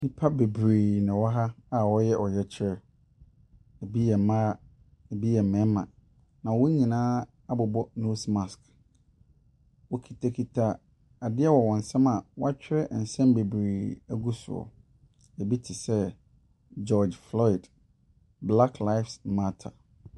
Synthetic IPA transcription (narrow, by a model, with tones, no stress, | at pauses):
nĩ˦pʰa˦be˨bɾiː˨nɪ̃˨wɔ˦ɦa˦a˨wɔ˦jɛ˦ʔɔ˨jɛ˦t͡ɕʰɪ˦ɾɛ˦ | e˨bi˦jɛ˨mãː˦ | e˨bi˦jɛ˨mɛ̃˨˦mːã̰˨ | nã˨wɔ˦ɲĩ˨nãː˦ | a˦bʊ˨bɔ˦no˦smã˨sk | wɔ˨kʰi˨tʰa˨kʰi˨tʰa˨ | a˨dɪ˦ɛ˦wɔ˨wɔ̃˨n̩˨sɛ̃˦mã˨wɔ˦a˦t͡ɕᶣɪ˦ɾɛ˦ʔn̩˨sɛ̃˦mbe˨bɾi˨æ˦ɡu˦sʊ̰˨ɔ̰˨ | e˨bi˦tʰɪ˨sɛ˦ | d͡ʒɔ˦d͡ʒflɔ˦i˨d | bla˦kʰla˦ɪ˦fsma˦tʰa̰˨